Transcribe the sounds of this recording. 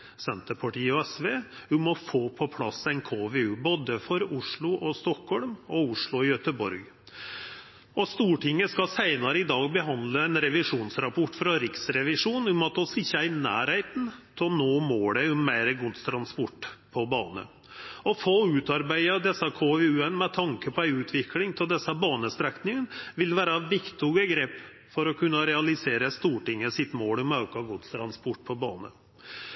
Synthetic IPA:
sɛnt̪əɾpʰɑʈiːɔɛsʋeːhʉmɔfoːpʰɔpʰlɑsæɪnkʰoːʋeʉːboːd̪əfɔɾʊʂɭʊʔɔst̪ɔkhɔlmɔʊʂɭʊɪjœt̪əbɔ̰ɾɡ | ɔst̪uːʈɪŋːəskɑsæɪnɑɾəɪd̪ɑːɡ̚bəɦɑnd̪ləæɪnɾɛʋɪʂuːnsɾɑpʰɔʈːfɾɑɾɪksɾɛʋɪʂuːnhʉmɔt̪ɔsɪçːəæɪnæ̰ːɾheɪt̪n̩t̪ʰɪɔnoːmoːɽəʊmːæɪɾəɡʊd̪st̪ʰɾɑnspɔʈːpʰɔbɑːnə̰ | ɔfoːʉːt̪ɑɾbæɪəd̪ɛsːɑkʰoːʋʉːɛnmɛt̪ʰɑŋkəpʰɔæɪʉːt̪ʰʋɪklɪŋt̪ʰɪld̪ɛsːɑbɑːnəst̪ɾæknɪŋənʋɪlʋæːɾɑʋɪkt̪ʊɡəɡɾeːp | fɔɾɔkʰʉnːəɾɛɑlɪseːɾəst̪uːʈɪŋːəsɪt̪moːlʊmɑʉkɑɡʊd̪st̪ʰɾɑnspɔʈ̚ːpʰɔbɑːnə̰

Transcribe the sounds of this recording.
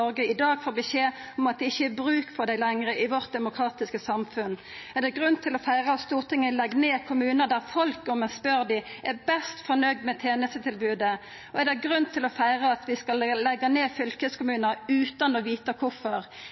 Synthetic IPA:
ɔʁɡəɪd̪ɑːɡfoːbəseːɔmɑt̪̚d̪ɛɪçːəæbʁʉːkfʰɔʁd̪æɪlɛŋʁəʔɪʋɔʁt̪̚d̪ɛmʊkʰʁɑːt̪ɪskəsɑmfʉn | ɛʁd̪ɛɡʁʉnt̪ʰɪlɔfæɪʁɑɑt̪st̪uːʁt̪ʰɪŋːəlɛɡːneːkʰʊmʉːnəd̪æʁfɔlkɔmɛspøɾd̪ɪæbɛst̪fɔʁnœɡ̚d̪mɛt̪ʰeːnəst̪ət̪ʰɪlbʉːd̪ə | ɔɛd̪ɛɡʁʉnt̪ʰɪlɔfæɪʁɑɑt̪ʋɪskɑlːɛɡːɑneːfʏlkəskʊmʉːnəʁʉːt̪ɑnɔʋiːt̪ɑkʰʊfɔʁ

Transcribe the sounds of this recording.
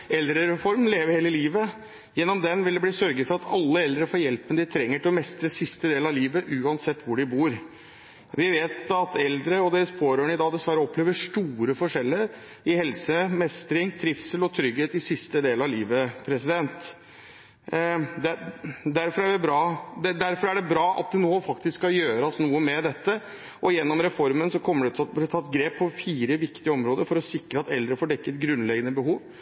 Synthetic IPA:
ɛld̪ɾəɾɛfɔɾmleːʋəɾheːləliːʋə | jɛnːɔmd̪ɛnʋɪld̪ɛb̪iːsœɾɡəd̪fɔɾɑt̪ʰɑlːəɛld̪ɾəfɔɾjɛlpənəd̪ɪt̪ʰɾɛŋːəʈʰɪlɔmɛst̪ɾəsɪst̪əd̪eːləɾɑʋliːʋəʔʉːɑnsɛt̪ːʋʊɖɪbuːɾ | ʋɪʋeːt̪ɑt̪ɛld̪ɾəɔd̪eːɾəspʰoːɾøːɳəɪd̪ɑːd̪ɛsʋæɾəɔpʰːleːʋəʂʈ̪uːɾəfɔʂɛlːəɾ | ɪhɛlsəmɛst̪ɾɪŋt̪ʰɾɪfsəlɔt̪ʰɾʏɡheːt̪ɪsɪst̪əd̪eːləɾɑliːʋəpʰɾɛsɪd̪ɛnt̪ | d̪ɛd̪æɾfɔɾæɖɛbɾɑːd̪ɛd̪æɾfɔɾæɖɛbɾɑːʔɑ̰t̪̚d̪ɛnoːfɑkt̪ɪskːɑjøːɾɑsnuːəmɛd̪ɛt̪ːə | ɔjɛnːɔmɾɛfɔɾmənsɔkʰɔmːəɖɛt̪ʰt̪blt̪ʰɑt̪ːɡɾeːpʰːɔfiːɾəʋɪkt̪ɪəɔmɾoːd̪əɾfɔɾɔsɪkɾəɑt̪ɛld̪ɾəfoːɖɛkːət̪ɡɾʉnlɛɡənəbəɦuːʋ

